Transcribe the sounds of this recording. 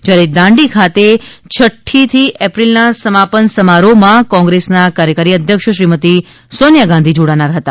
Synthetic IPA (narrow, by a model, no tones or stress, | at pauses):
d͡ʒjaɾed̪ãɳɖikʰat̪et͡ʃʰəʈʰːit̪ʰiʔɛpɾilnasəmapənsəmaɾomãkɔ̃ŋɡɾesnakaɾjəkaɾiəd̪ʱjəkʃəʃɾimət̪i | sonjaɡãnd̪ʱid͡ʒoɽanaɾɦət̪a